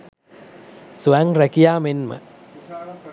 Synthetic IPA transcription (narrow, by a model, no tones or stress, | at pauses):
suæŋrækijaːmenmə̰